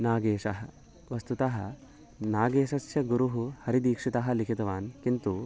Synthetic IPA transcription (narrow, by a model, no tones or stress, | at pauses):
naːɡeːʂɐɦɐ | ʋɐst̪ut̪aɦɐ̰ | naːɡeːʃɐsjɐɡuɾuɦuhɐɾid̪iːkʂit̪aɦɐ̆likʰit̪ɐʋaːnkint̪u